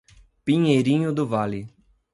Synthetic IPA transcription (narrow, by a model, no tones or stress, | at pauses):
pĩɲejɾĩɲʊd̪ʊvalɪ